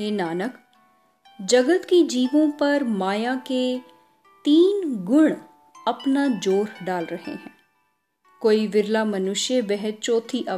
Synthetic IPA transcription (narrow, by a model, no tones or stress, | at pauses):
ɦeːnaːnək | d͡ʒɐɡət̪kid͡ʒiːʋõpɐɾmaːjake | t̪iːnɡʊɽ̃ | ɐpnad͡ʒoːɾɖaːlɾɐɦḛɦɛ̰̃ː | koːiʋɪɾlamɐnʊʃjəbɛɦɛt̪̚t͡ʃɔːt̪ʰiʔɐ